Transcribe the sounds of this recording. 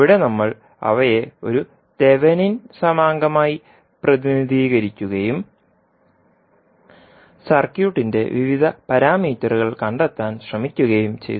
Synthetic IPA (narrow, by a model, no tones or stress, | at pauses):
ʋiɽe̞nɐmːɐɭ | ɐ̰ʋɐje̞o̞ɾu | t̪e̞ʋɐninsɐmaːŋɡɐmaːji | prɐðiniðʱiːɣɐɾikʲːuɣɐjum | sɐrkjuːʈːinde̞̰ʋiʋid̪ʱɐpɐɾaːmiːtːɐruɣɐɭkɐɳɖet̪ːaːnɕrɐmikʲːuɣɐjumt͡ɕe̞̰jt̪